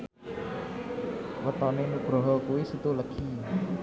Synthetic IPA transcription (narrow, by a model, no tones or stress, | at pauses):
wət̪ɔnenub̥ɾɔ̤ɦɔkuwisət̪uləkʰi